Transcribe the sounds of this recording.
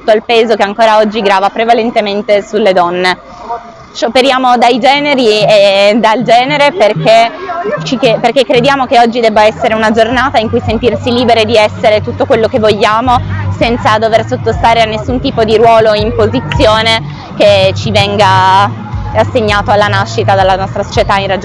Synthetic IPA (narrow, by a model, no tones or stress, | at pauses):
t̪u̥t̪ːoilpeːzokeaŋkoːɾaɔd͡ʒːiɡɾaːvapɾevalent̪ement̪esulːed̪ɔnːe | ʃopeɾjaːmod̪ajd͡ʒɛːneɾied̪ald͡ʒɛːneɾeperk̟et͡ʃikeperk̟ekːɾed̪jaːmokeɔd͡ʒːid̪ɛbːaɛsːeɾeunad͡ʒornaːt̪aiŋkujsent̪irsiliːbeɾed̪iɛsːeɾet̪ut̪ːokwelːokevːoʎːaːmosɛnt̪sad̪oversot̪ːost̪aːɾeanːesːunt̪iːpod̪iɾwɔːloimpozit̪sːjoːne | k̟et͡ʃivɛŋɡa | asːeɲːaːt̪oalːanaʃːit̪ad̪elːanɔst̪ɾaso̥t͡ʃet̪airad͡ʒo